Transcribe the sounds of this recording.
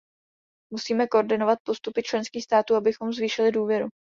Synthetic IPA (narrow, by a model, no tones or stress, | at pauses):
musiːmɛkoʔoɾdɪno̞vat̪̚po̞st̪upɪt͡ʃlɛnskiːxst̪aːt̪uːabɪxo̞mzviːʃɪlɪduːvjɛɾu